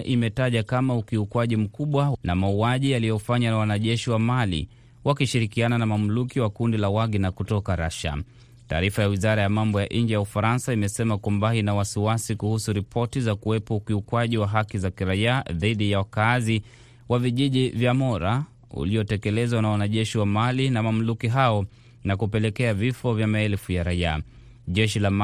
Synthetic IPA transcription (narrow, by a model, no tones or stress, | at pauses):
ʔimɛtaʄakamaukiukwaʄim̩kuɓwanamauaʄijalijɔfaɲanawanaʄɛʃiwamalḭ | wakiʃiɾikiananamam̩lukiwakundilawaɡinakutɔkaɾaʃa̰ | ta̰ːɾifajawizaɾajamambɔjaʔiɲd͡ʒijaufaɾansaimɛsɛmakwambainawasiwasikuhusuɾipʰɔtizakuwɛpɔukiukwaʄiwaɦakizakiɾaiaðiɗijawakazi | waviʄiʄivjamɔɾa | ṵliɔtɛkɛlɛzwanawanaʄɛʃiwamalinamam̩lukiɦaɔ | nakupɛlɛkɛavifɔvjamaɛlfujaɾaia̰ | ʄɛʃilam